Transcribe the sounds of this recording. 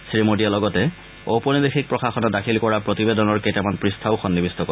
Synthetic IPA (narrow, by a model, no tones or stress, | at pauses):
sɹimodijalɔɡɔtɛ | owpɔnidexʰik̚pɹɔxaxɔnɔdakʰilkɔɹapɹotibedɔnɔɹkejtamanpɹistʰaʊxɔnːibistɔkɔ